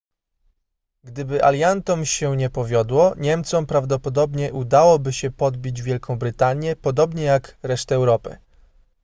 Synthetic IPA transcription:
ɡd̪ɘbɘʔa̰lʲjant̪ɔmɕɛɲɛpɔvʲjɔd̪wɔɲɛmt̪sɔmpɾavd̪ɔpɔd̪ɔbɲɛʔud̪awɔbɘɕɛpɔd̪̚bʲid͡ʑvʲjɛlkʰɔ̃w̃bɾɘt̪aɲjɛpɔd̪ɔbɲɛjakɾɛʂt̪ɛːwɾɔpɘ̰

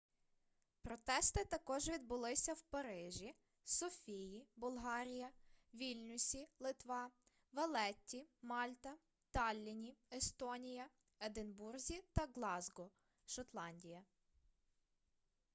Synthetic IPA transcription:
pɾɔt̪ɛst̪ɪt̪ɐkɔʒʋʲid̪̚bʊlˠɪsʲɐwpɐɾɪʒʲi | sɔfʲijibʊlˠɦɑɾʲijɐʋʲilʲnʲʊsʲilˠɪt̪ʋɑ | ʋɐlˠɛtʲːimɑlʲt̪ɐ | t̪ɑlʲːinʲiest̪ɔnʲijɐ | ed̪ɪnburzʲit̪ɐɡlˠɑzɡɔ | ʃɔt̪lˠɑnʲdʲijɐ

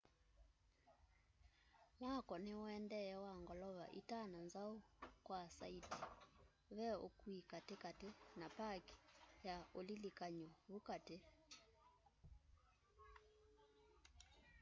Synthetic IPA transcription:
mwakɔneɔɛndɛɛwaŋɡɔlɔβa̰ʔḭtananzaokwasa̰iti̥ | βɛo̰kwikatekatenapaki̥jaolilikaɲɔβukate

